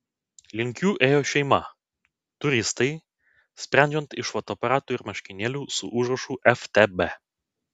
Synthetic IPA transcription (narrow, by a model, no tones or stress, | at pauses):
lʲɪŋʲkʲuːʔeːjoːʃʲɛɪmɐ | t̪ʊɾʲɪst̪ɐɪ | sʲpʲɾʲæˑnʲd͡ʒʲɛnt̪ɪʃʋot̪oːpɐɾɑːt̪uːɪɾmɐʃʲkʲɪnʲeːlʲuːsʊ̰ʔʊʒɾɐʃuːʔɛft̪ʲebe